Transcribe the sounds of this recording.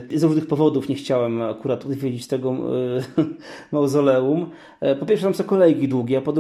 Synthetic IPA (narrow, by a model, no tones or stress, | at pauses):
zɾuʐnɘxpɔvɔd̪ufɲɛxt͡ɕawɛmakuɾat̪ɔd̪vʲjed͡ʑit͡ɕt̪ɛɡɔ | mawzɔlɛum | pɔpʲjɛɾfʂɛt̪amsɔ̃w̃kɔlɛjɡʲid̪wuɡʲɛapɔd̪